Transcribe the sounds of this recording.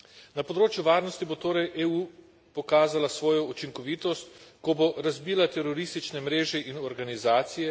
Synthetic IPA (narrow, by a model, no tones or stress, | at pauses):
napɔd̪ɾoːt͡ʃjuʋaːɾnɔst̪ibot̪oːɾɛjʔeuː | pɔkaːzalasʋɔːjɔut͡ʃiŋkɔʋiːt̪ɔst̪kɔboɾazbiːlat̪ɛɾɔɾist̪it͡ʃnɛmɾeːʒɛʔinɔɾɡanizaːt̪sijɛ